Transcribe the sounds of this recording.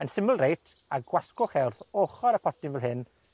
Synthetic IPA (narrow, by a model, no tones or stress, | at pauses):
ənsɪməlˠrejtʰ | aɡwaskʊχɛrθoχɔɾəpʰɔtɪnvɛlˠɦɨn